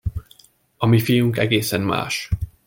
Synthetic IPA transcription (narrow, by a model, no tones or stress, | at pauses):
ɒmifijuŋkɛɡeːsɛmma̰ːʃ